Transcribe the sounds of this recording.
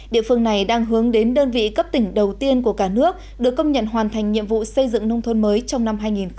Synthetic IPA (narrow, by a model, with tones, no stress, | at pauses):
ɗḭ˧˨əfɨ˧əŋna˨˩jɗaː˧ŋɦɨ˨˦əŋɗe˨˦nɗəː˧nvḭ˧˨kə˦˥p̚t̪ï˧˩ŋ̟ɗə˨˩wt̪i˧ənku˧˩əkaː˧˩nɨ˦˥ək̚ | ɗɨ˨˩əkːə˧wŋ͡mɲə̰˧˨nɦwaː˨˩nt̪ʰa˨˩jŋ̟ɲḭ˧˨əmvṵ˧˨sə˧jzɨ̰˧˨ŋnə˧wŋ͡mt̪ʰə˧nməː˨˦jt͡ɕɔ˧wŋ͡mna˧mɦaː˧jŋi˨˩n